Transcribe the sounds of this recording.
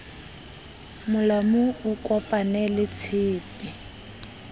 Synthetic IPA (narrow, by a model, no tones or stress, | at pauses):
mʊlamʊʊkʼɔpʼanɛlɪt͡sʰɪːpʼɪ